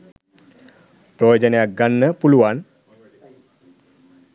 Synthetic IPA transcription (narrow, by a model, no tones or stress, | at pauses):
projod͡ʒənəjak̚ɡanːəpuluʋan